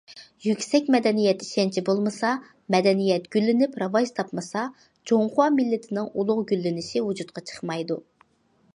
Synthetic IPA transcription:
jykʲsɛkʲmɛd̪ɛnijɛt̪iʃɛnt͡ʃʰibolˠmɨsɑ | mɛd̪ɛnijɛt̪ɡ̥ʲylːɪnypɾɑvɑʒt̪ʰɑpmɨsɑ | d͡ʒoŋχwɑmɪlːɪt̪ʰɪnɪŋulˠʊʁɡʲylːɪnɪʃiwud͡ʒut̪̚qʰɑt͡ʃʰə̥χmɑjd̪u

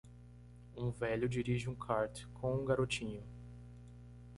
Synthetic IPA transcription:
ũvɛʎʊd͡ʒiɾiʒɪũkʰaɾt̪kʰõũɡaɾot͡ʃĩɲʊ

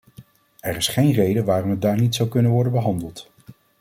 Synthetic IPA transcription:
ɛɹɪsχejnrejdəʋaːrɔmɦət̚daːɹnitsʌwkɵnənʋɔɹdənbəɦɑndəlˠt

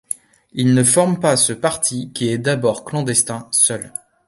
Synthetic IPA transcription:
ilnəfɔʁmpasəpaʁt̪ʰikʲiɛd̪abɔʁklɑ̃d̪ɛst̪ɛ̃sœl

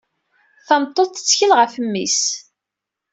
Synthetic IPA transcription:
θɑmt̪ˤːoθə̥t͡sːçəlʁəfəmːḭs

